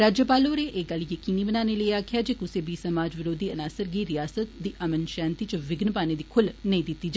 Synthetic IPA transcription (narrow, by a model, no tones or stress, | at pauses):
ɾaːd͡ʒjəpaːloːɾeːʔeːɡəljəkiːniːbənaːneːləiaːkʰɪjaːd͡ʒeːkʊseːbiːsəmaːd͡ʒʋɪɾoːd̪iːənaːsəɾɡiːɾɪjaːsət̪̚d̪iːʔəmənʃãːnt̪iːt͡ʃəʋɪɡnəpaːneːd̪iːkʰʊlnəĩːd̪ɪt̪ːiːd͡ʒa